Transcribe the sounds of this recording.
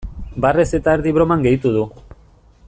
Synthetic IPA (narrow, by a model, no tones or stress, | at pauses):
bare̞se̞t̪aeɾðiβɾo̞maŋɡe̞jt̪uð̞u